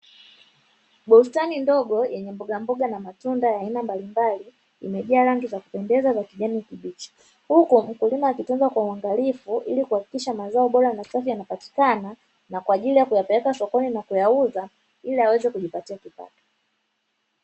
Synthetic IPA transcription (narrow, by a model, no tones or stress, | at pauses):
ɓɔstanindɔɡɔjɛɲɛmbɔɡambɔɡanamatundajaːinambalimbalḭː | mɛʄɛaɾaŋɡizaku̥pɛndɛzazakiʄanikiɓit͡ʃɔ̥ | hukum̩kulimaːkitunzakwauaŋɡalifuʔilikuhaki̥kiʃamazaɔɓɔɾanasafijanapati̥kana | nakwaːʄilijakujapɛlɛkasɔkɔninakujauða | iliawɛzɛkuʄipatiakipa̰tɔ̥